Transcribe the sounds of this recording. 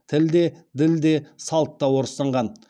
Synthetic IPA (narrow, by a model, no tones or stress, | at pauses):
t̪ʰɪld̪e̞d̪ɪld̪e̞sɑlˠt̪ːɑwo̞ɾəsɑɴʁɑn